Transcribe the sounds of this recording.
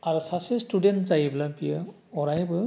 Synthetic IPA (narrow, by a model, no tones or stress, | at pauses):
aɾusasestudentzajiblabijə | ɔɾajbɯ